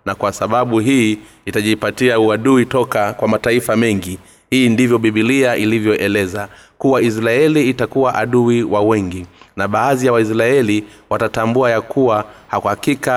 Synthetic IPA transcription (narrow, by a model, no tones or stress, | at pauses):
nakwasaɓaɓuɦiː | itaʄipatiauaɗuitɔkakwamataifamɛŋɡi | hiːndivjɔɓiɓiliaʔilivjɔʔɛlɛza | kuwais̬ɾaɛliːtakuwaʔaɗuiwawɛŋɡinaɓaːðijawais̬ɾaɛliwatatambuajakʰuwahakuhakika